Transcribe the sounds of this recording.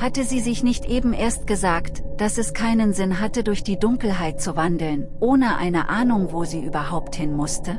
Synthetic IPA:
hatəziːzɪçnɪçtʔeːbm̩ʔeːɐst̚ɡ̥əzaːktd̥asɛskʰaɪnənzɪnɦatədʊɐçd̥iːdʊŋkl̩ɦaɪt̚t͡suvandl̩nʔoːnəʔa̰ɪnəʔaːnʊŋvoːziːʔyːbɐhaʊpthɪnmʊstə

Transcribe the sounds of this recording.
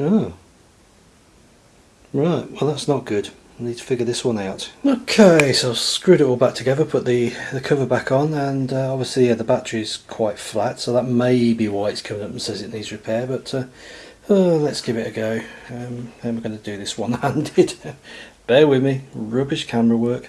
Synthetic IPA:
oʊ | ɹaɪt̚wɛlˠðætsnət̚ɡ̥ʊd̥ | nid̚tʰə̥fɪɡjə˞ðɪswʌ̃naʊtoʊkʰeɪsoʊɪ̥skɹʉɾəwl̩ˠbak̚tʰɨɡɛðəpʰʊt̪̚ðiðɨkʰʌvə˞bakn̩ə̃nʌɑɒbviəslijæðəbatʰəɹiɪz̥kʰw̥aɪtflatsoʊðət̚meɪbiwaɪɪtskʰʌ̃mɪ̃ŋʌpn̩sɛzɪʔⁿnidz̥ɹɨpʰɛːbʌtʰʌ | ʌlətsɡ̥ɪvɪtɨɡoʊʌ̃mãɪ̃mwəɡʌnədɨðɪswʌ̃nãndɪd̥b̥ɛːwɪðmiɹʉpɪʃkʰaməɹəwɜˑ˞k

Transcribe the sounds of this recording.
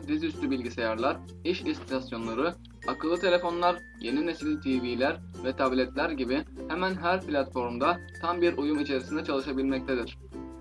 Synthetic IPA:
d̪izyst̪ʰybilʲɟisejaɾlˠaɾ | iʃist̪t̪ʰasjo̞nlˠaɾɯ | akɯlˠːɯt̪ʰe̞lʲe̞fo̞nlˠaɾ | je̞nine̞silʲt̪ʰiːviːlʲæɾ | vɛt̪ʰablʲɛt̪lʲæɾɟibihɛmænɦæɾplʲat̪fo̞ɾmd̪at̪ʰambiɾujumit͡ʃʰe̞ɾisind̪ɛt͡ʃʰalˠɯʃabilʲmɛc̚t̪ʰed̪iɾ̥

